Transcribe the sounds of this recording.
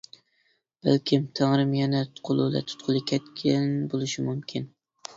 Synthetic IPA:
b̥æ̰lkʲʰimt̪ʰæŋɾɪmjɛnɛt̪qʰolˠṵlɛ̰t̪ʰʊ̥t̪̚qʰʊlˠɨkʲʰɛt̪kʲʰænbolˠɨʃimumkʲʰin

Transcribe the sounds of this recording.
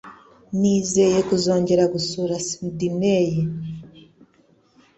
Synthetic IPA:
niːzeje̞kuzo̞ːɲɟeɾaɡusuɾasidineje

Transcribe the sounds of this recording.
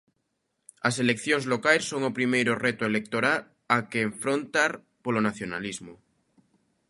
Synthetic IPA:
as̬e̞lekθjoŋzlokajsːo̞ŋopɾimejɾoret̪oelek̚t̪oɾal | akeːɱfɾont̪aɾ | polonaθjonalizmo

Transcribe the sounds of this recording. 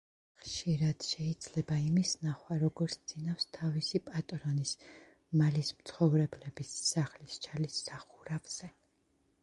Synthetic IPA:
χʃiɾad̪̥ʃɛid̪zlɛbaimisnaχwaɾɔɡɔɾt̪sʰd̪z̥inafst̪ʰavisipʼat̪ʼɾɔnis | malismt̪sʰχɔvɾɛblɛbisːaχlist͡ʃʰalisːaχuɾavz̥ɛ

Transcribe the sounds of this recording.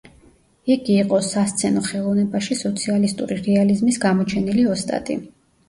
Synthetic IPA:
iɡiːqʼɔsast̪sʰɛnɔχɛlˠɔvnɛbaʃisɔt̪sʰialist̪ʼṵɾiɾɛalizmisɡamɔt͡ʃʰɛniliɔst̪ʼa̰t̪ʼḭ

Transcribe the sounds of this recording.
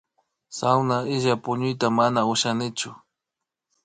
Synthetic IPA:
sawnaɪʒapʊɲʊjt̪amanaʊʃanɪt͡ʃʊ

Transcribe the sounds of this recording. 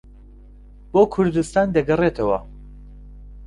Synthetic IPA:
b̥oːkʰʊɾd̪ɨst̪aːnd̪ɐɡɨret̪ʰɐwɐ̰

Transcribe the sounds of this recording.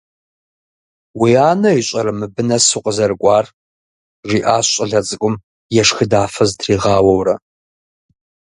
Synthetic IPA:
wiaːnɐiɕʼɐɾɐmɨbɨnɐsuqʼəzɐrɨkʷʼɑːr | ʒiːʔaːɕʼɐɮɐt͡sʼɨkʷʼʊm | jɛʂxɨdaːfɐztʰriːʁɑːwɐwrɐ

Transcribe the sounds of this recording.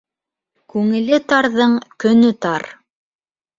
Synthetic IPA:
kʉŋɘ̆lɘt̪ɑɾðɤɴkɵ̆nɵt̪ɑɾ

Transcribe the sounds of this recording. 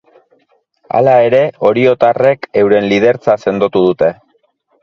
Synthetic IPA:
a̰lae̞ɾe̞o̞ɾio̞t̪are̞ke̞wɾe̞nlið̞e̞ɾt͡sase̞nd̪o̞t̪uð̞ut̪e̞

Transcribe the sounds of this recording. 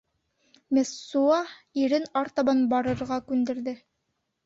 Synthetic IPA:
mesːuɑiɾɘnɑɾt̪ɑbɑnbɑɾɤ̆ɾʁɑkʉnd̪ɘ̆ɾðɘ

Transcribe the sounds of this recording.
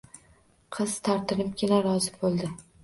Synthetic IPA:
qʰɨz̥t̪ʰɒɾt̪ɪnɪp̚kʲɪnaɾɒzɪbolˠd̪ɪ

